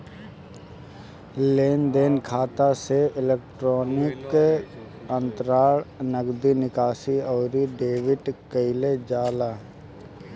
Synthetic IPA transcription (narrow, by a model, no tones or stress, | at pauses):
leːnd̪eːnkʰaːt̪aseɪleːk̚ʈɾɔːnɪk | ə̃nt̪ɾaːɭnəɡd̪inɪkaːsiɔːɾiɖeːʋɪʈkəɪled͡ʒaːlaː